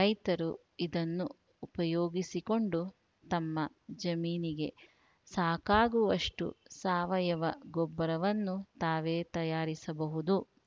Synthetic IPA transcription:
ɾɐjt̪ɐɾu | id̪ɐnːuː | pɐjoːɡisiko̞ɳɖu | t̪ɐmːɐ | d͡ʒɐmiːniɡe̞ | saːkaːɡuʋɐʂʈṵsaːʋɐjɐʋɐɡɔbːɐɾɐʋɐnːut̪aːʋeːt̪ɐjaːɾisɐbɐɦud̪u

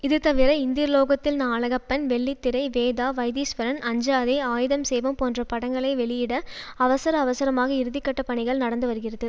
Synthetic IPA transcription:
ɪðɯt̪ɐʋɪɾɐɪnd̪ɪjɐɾloːɣɐt̪ːɪlnaːɭɐɣɐpːɐnʋɛɭːit̪ːɪɾɐɪʋeːðaːʋɐjðiːsʋɐɾɐnɐɲd͡ʒaːðɐaːjɪðɐmsɛjʋɐmpoːndrɐpɐɽɐŋɡɐɭɐɪʋɛɭɪjɪɽɐ | ɐʋɐsɐɾɐːʋɐsɐɾɐmaːɣɐɪɾɯðɪkːɐʈːɐpːɐɳɪɣɐɭnɐɽɐnd̪ɯʋɐɾɯɣɪrɐðɯ

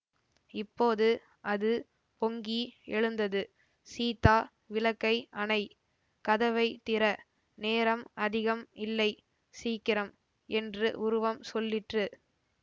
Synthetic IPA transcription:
ɪpːoːðɯ | ʔɐðɯ | pɔŋɡiɛɻɯnd̪ɐðɯ | siːt̪aː | ʋɪlɐkːɐɪʔɐnɐɪ | kɐðɐʋɐɪt̪ɪɾɐ | neːɾɐmɐðɪɣɐmɪlːɐɪ | siːkːɪɾɐm | ɛndrɯʔʊɾʊʋɐmsɔlːɪʈrɯ

